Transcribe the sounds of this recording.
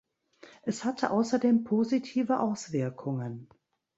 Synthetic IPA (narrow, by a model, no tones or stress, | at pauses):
ʔɛshatʰəʔaʊsɐdeːmpʰozitʰiːvəʔaʊsv̥ɪɐkʰʊŋən